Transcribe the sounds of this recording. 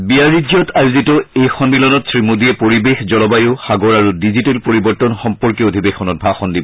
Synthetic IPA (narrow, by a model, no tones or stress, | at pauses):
biaɹidjɔtʰajzitɔejxɔnbilɔnɔtsɹimudiɛpoɹibexzɔlɔbajʊxaɡɔɹaɹudizitelpoɹibɔɹtɔnxɔmpɔɹkiodʱibexɔnɔt̚bʱaxɔndibɔ